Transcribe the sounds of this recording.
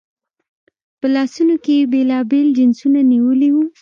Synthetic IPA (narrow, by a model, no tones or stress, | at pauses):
pəlɑsunokebelɑbeld͡ʒɪnsunaniwəliwu